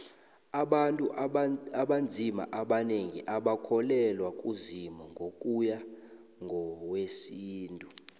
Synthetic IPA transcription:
aɓantʼuaɓand͡zʱima̰ʔaɓaneŋiʔaɓakʰɔlɛlwakʼuzimɔŋʱokʼuja | ŋɡʱɔwesiːntʼu

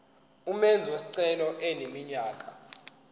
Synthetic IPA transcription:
umɛnd͡zʱiwesi̥ǀɛlɔʔɛnemiɲaːkʼḁ

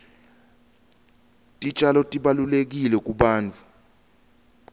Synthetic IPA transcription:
tʼit͡ʃʼalɔtʼiɓalulek̬ilɛk̬ʼuɓaːnt͡fʰʼu̥

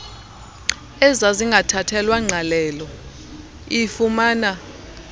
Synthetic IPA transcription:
ɛzaziŋɡʱatʰatʰɛlwaŋ͡ǀʱalɛːlɔ | ifumaːna

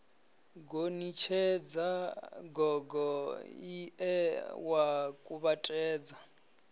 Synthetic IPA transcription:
ɡonit͡ʃʰɛd͡zaɡɔɡɔiɛwakʼuβatʼɛːd͡za

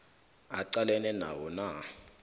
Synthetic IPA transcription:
aǀalɛnɛna̰wɔna

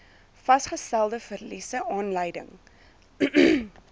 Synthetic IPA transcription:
fɐsχəstælˠdəfərlisəʔɑːnləjdə̰ŋ

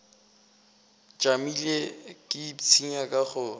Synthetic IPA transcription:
t͡ʃʼamilekʼɪt͡sʰiɲakʼaχʊ

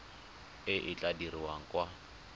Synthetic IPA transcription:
ɪʔɪt͡ɬʼadiriwaŋ̩kwa

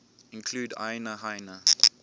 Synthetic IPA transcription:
ɪ̃nkʰluːda̰ɪnəɦaɪnə

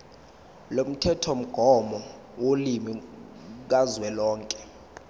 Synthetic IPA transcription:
lom̩tʰɛtʰom̩ɡ̥ʱɔmɔ | wolimi | k̬azwɛlɔːŋkʼɛ̥

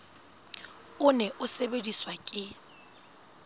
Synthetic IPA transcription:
ʊnɛʔʊsebediswakʼɪ

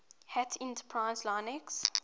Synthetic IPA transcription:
hɛtʰɛ̃ntə̥pʰɹaɪzlãnɛks

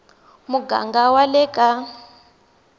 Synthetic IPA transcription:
muɡa̰ŋɡawalɛkʼa

